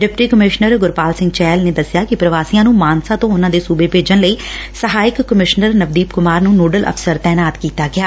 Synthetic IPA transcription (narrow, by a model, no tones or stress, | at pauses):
ɖɪpʈiːkəmɪʃnəɾɡʊɾpaːlsɪ̃ŋɡt͡ʃɛːlneːd̪əsːɪjaːkɪpɾəʋaːsiːãːnũːmaːnsãːt̪õːʊnãːd̪eːsuːbeːpeːd͡ʒənləiːsəɦaːɪkːəmɪʃnəɾnəbd̪iːpkʊmaːɾnũːnoːɖəlʔə̰pʰsəɾt̪ɛːnaːt̪kiːt̪aːɡɪaː